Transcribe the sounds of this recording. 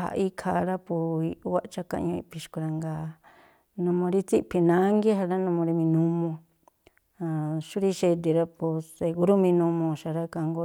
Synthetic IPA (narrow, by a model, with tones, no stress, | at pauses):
ha̰˧ʔi˦kʰa˧ɾa˦pu˧i˧˦wa˦˧t͡ʃa˦kã̰˧ɲõ˧ḭ˧pʰi˧ʃku˧ɾa˧ŋɡa˧ | nũ˧mõ˧ɾi˦t͡si˦pʰi˧nã˦ŋɡe˦ɦa˧ɾa˦nũ˧mõ˧ɾi˧mĩ˧nũ˧mõ˧ | ã˧ʃu˦ɾi˦˧ʃe˧d̪̬e˧ɾa˦pu˧se˧ku˧ɾu˦mĩ˧nũ˧mõ˧ʃa˧ɾa˦ka˧ŋɡo˧